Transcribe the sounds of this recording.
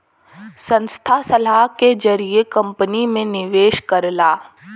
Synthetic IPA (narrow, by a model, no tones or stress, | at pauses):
sɐ̃nst̪ʰasɐlaɦked͡ʒɐɾiekɐ̃mpənimẽnɪʋeːʃkɐɾlaː